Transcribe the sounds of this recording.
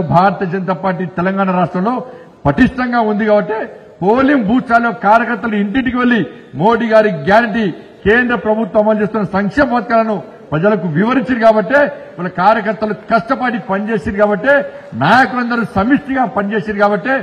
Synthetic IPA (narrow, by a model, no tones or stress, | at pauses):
bʱaːɾɐt̪iːɐd͡ʒɐnt̪aːpaːɾʈiːt̪ɛlɐŋɡaːɳaɾaːʂʈɾɐmlo̞ː | pɐt̪iʂʈɐŋɡaːund̪ikaːbɐʈːe̞ː | poːlimbʱuːt͡ʃaːlːoːkaːɾjɐkɐɾt̪ːɐluiɳʈiɳʈikiʋelːi | mo̞ːɽiːɡaːɾiɡjaːɾiʈi | ke̞ːnd̪ɾɐpɾɐbʱut̪ːʋɐmɐt͡ʃeːst̪unːɐsɐŋkʂeːmɐpɐːt̪̚kaːlɐnu | pɾɐd͡ʒɐlɐkuʋiʋɐɾiɲt͡ʃiɾikaːbɐʈːe̞ːʋaːlːɐkaːɾjɐkɐɾt̪ːɐlukɐʂʈɐpaːʈipɐnit͡ʃe̞ːsid̪ikaːbɐʈːe̞ːnaːjɐkulɐnd̪ɐɾusɐmisʈiɡaːpɐnit͡ʃe̞ːsid̪ikaːbɐʈːe̞ː